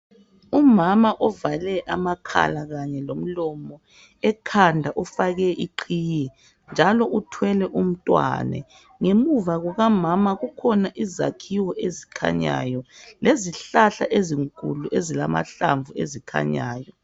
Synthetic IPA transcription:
umamaʔɔvalɛʔamakʰa̰laɣaɲɛlom̩lɔmɔ | ɛkʰandʱaʔufaɣɛʔiǃʰiːjɛ | nd͡ʒʱalɔʔutʰwɛlɛʔum̩tʼwa̰nɛ̰ | ŋemuvaɣɔɣamamaɣukʰɔnaʔiza̰kʰiwɔʔezikʰa̰ɲa̰jɔleziɬaɬa̰ʔeziŋkʼṵluʔezila̰ma̰ɬa̰ɱvuḛzikʰa̰ɲa̰ːjɔ

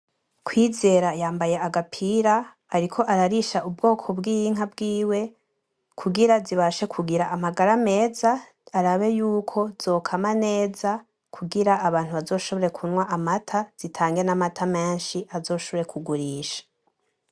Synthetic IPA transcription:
kwiːze̞ːɾajaːmbaje̞aɡapʰiɾaː | ɾikʰo̞ʔaɾaɾiʃaʔubɡo̞ːkʰo̞bɡiːjiŋ̥abɡiːwe̞ | kʰuɡiɾaziβaʃe̞kʰuɡiɾaʔamaɡaɾame̞ːzaː | ɾaβe̞juːkʰo̞zo̞ːkʰamane̞ːza | kʰuɡiɾaːβaːn̥huβazo̞ːʃo̞βo̞ɾe̞kʰunwaʔamatʰaz̥itʰaːŋɡe̞namatʰame̞ːnʃiʔazo̞ːʃo̞βoɾe̞kʰuɡuɾiːʃḁ

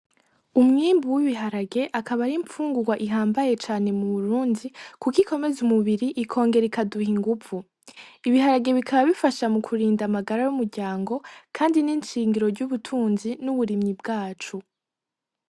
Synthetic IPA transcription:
umŋiːmbuwiβiɦaɾaɡe̞ʔakaβaɾiɱfuːŋɡuɡwaʔiɦaːmbaje̞t͡ʃaːne̞muβuɾuːndikukikʰo̞me̞zumuβiɾiʔikʰo̞ːŋɡe̞ɾikaduhiŋɡuvu | iβiɦaɾaɡe̞βikʰaβaβifaʃamukʰuɾiːndamaɡaɾajumuɾɡɟaːŋɡo̞kʰaːndiniːnt͡ʃiːŋɡiɾo̞ɾɟuβutʰuːnzinuβuɾimɲib̚ɡaːt͡ʃu

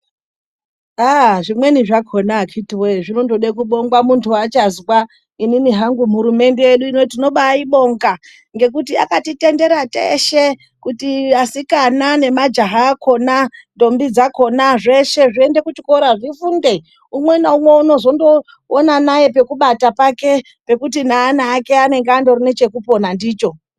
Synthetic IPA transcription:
aʐimwe̞niʐakʰonakʰitiweʐinondoɗekuɓo̞ŋɡwamuntʰuwat͡ʃazwa | ininiɦaŋɡum̤uɾume̞nde̞jeɗuino̞tino̞ɓaiɓo̞ŋɡa | ŋɡe̞kutia̰katite̞nde̞ɾatḛʃe | kutiasikanane̞mad͡ʒaɦaːkʰo̞nando̞mbid͡zako̞naʐe̞ʃe̞ʐiende̞kut͡ʃiko̞ɾaʐifunde̞ | umwe̞naumwe̞uno̞zo̞ndo̞ː | nanaje̞pe̞kuɓatapake̞ | pe̞kut̬inaːnaːke̞ane̞ŋɡeando̞rine̞t͡ʃe̞kupo̞nandiːt͡ʃo̞

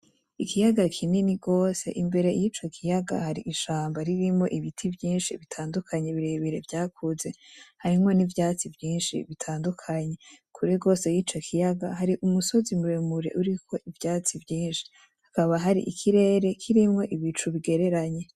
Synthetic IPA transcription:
ikijaɡakʰininiɡo̞ːse̞̰ʔimbe̞ɾe̞jit͡ʃo̞kʰijaɡa̰haɾiʔiʃaːmbaɾiɾimŋo̞̰ʔiβitʰivjiːnʃiβitʰaːndukʰaɲeβiɾeβiɾe̞vjaːkʰuze̞haɾimŋo̞nivjaːt͡sivjiːnʃḭβitʰaːndukʰaɲe̞kʰuɾiɡo̞ːse̞jit͡ʃo̞kʰijaɡahaɾiʔumuso̞zimuɾemuɾeʔuɾikʰo̞ʔivjaːt͡sivjiːnʃi̥ | hakaβaɦaɾiʔikʰiɾe̞ːɾe̞kʰiɾimŋo̞ʔiβit͡ʃuβiɡe̞ɾe̞ɾaɲe̞

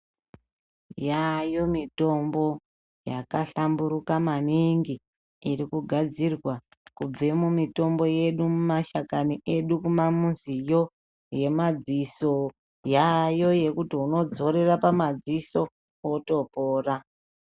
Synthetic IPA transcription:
jajo̞mito̞mbo̞ | jakaɬambuɾukamaniŋɡiː | rikuɡʱad͡zirwa | kub͡ve̞mumito̞mbo̞je̞ɗumumaʃakaniʔe̞ɗukumamunzijo̞ | je̞mad͡ziso̞ | jajo̞je̞kutiuno̞d͡zo̞ɾe̞rapamad͡ziso̞ | oto̞poːra

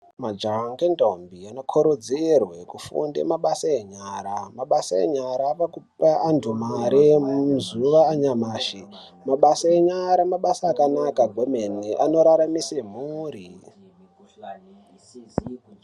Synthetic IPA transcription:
mad͡ʒaŋɡendombianokʰoɾod͡zerwe̞kufṵndḛmaɓasaeɲaːɾamaɓasaḛɲaɾaʋakupaandumaɾemuzuʋaːɲamaːʃi | maɓasaeɲaɾamaɓasaːkanakaɡʱomeniʔano̞ɾaɾamisem̤uːɾi

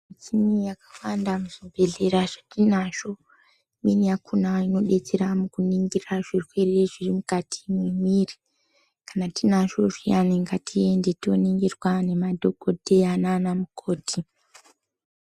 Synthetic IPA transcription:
mit͡ʃinijakḁwandamuʐibʱe̞ɮe̞ɾaʐ̥atinaʃo̞ | iminijakʰunaino̞ɗe̞t͡seɾamukuniŋɡiraʐirwe̞reʐirimukatʰi̥mwemiːri | kḁnatinaʃo̞ʐijaniŋɡatʰie̞nde̞to̞niŋɡirwane̞madʱo̞ɡodʱeananamukʰo̞ːtʰi

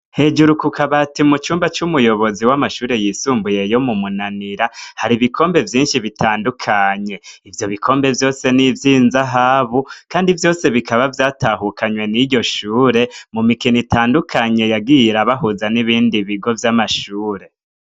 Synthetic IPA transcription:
he̞d͡ʒuɾukukʰaβatimut͡ʃuːmbat͡ʃumujo̞βo̞ziwamaʃuːɾe̞jisuːmbuje̞jo̞mumunaniɾahaɾiβikʰo̞ːmbe̞vjiːnʃiβitʰaːndukʰaɲe̞ivjo̞βikʰo̞ːmbe̞vjo̞ːse̞nivjiːnzaɦaːβukaːndivjo̞ːse̞βikaβavjaːtaɦukʰaɲwe̞niɟo̞ʃuːɾe̞mumikinitʰaːndukʰaɲe̞jaɡiɾaβaɦuzaniβiːndiβiɡo̞vjamaʃuːɾe̞

